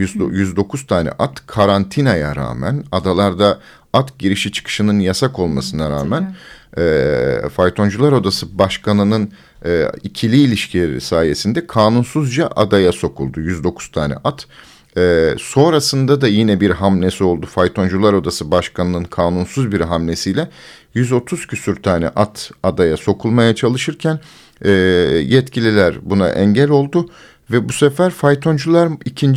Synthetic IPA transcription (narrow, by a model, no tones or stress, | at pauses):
jyzd̪o̞kʰuz̥t̪ʰaːnɛ̰ʔat̪kʰaɾant̪ʰinajaɾa̰ːmæ̰nad̪alˠaɾd̪a | at̪ɟiɾiʃit͡ʃʰɯ̥kʰɯ̥ʃɯnɯnjasako̞lˠmasɯnaɾaːmænː | fajt̪ʰo̞nd͡ʒulˠaɾo̞d̪asɯbaʃkʰanɯnɯn | ɛːicʰilʲiːlʲiʃcʰḭsaːje̞sind̪ɛkʰaːnunsuzd͡ʒaʔad̪ajaso̞kʰulˠd̪ujyzd̪o̞kʰu̥z̥t̪ʰaːnɛ̰ʔat̪ | ɛso̞nɾasɯnd̪ad̪ajinɛbiɾɦamlʲesio̞lˠd̪ufajt̪ʰo̞nd͡ʒulˠaɾo̞d̪asɯbaʃkʰanɯnɯnkʰaːnunsuzbiɾɦamlʲe̞sijlʲɛ | jyzo̞t̪ʰuz̥cʰysyɾt̪ʰaːnɛ̰ʔat̪ʰad̪ajaso̞kʰulˠmajat͡ʃʰalˠɯʃɯɾcʰæn | ɛːjɛt̪cʰilʲilʲæɾbuna̰ʔɛ̰ɲɟælʲo̞lˠd̪u | vɛbusɛfæɾfajt̪ʰo̞nd͡ʒulˠaɾicʰin